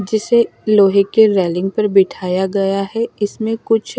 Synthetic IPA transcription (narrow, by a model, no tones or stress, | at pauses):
d͡ʒɪseloːɦɪkːeɾɛːlɪ̃ŋɡ̚pɐɾbɪʈʰaːjaɡɐjaɦɛɪsmẽkʊt͡ʃʰ